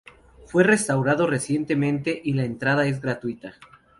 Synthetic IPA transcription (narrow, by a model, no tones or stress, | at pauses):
fwe̞re̞st̪awɾaðo̞re̞sje̞nt̪e̞mẽ̞nt̪e̞ʔilaent̪ɾaðae̞zɣɾat̪wit̪a